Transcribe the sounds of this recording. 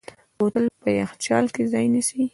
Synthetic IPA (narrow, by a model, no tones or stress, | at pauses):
wot̪əlpəjaxt͡ʃɑ̰lkezɑjnisi